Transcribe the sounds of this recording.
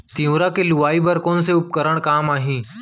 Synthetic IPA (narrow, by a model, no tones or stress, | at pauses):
t̪ĩũɾakeluʋaːibəɾkoːns̬eʊp̚kəɾəɽ̃kaːmaːɦĩː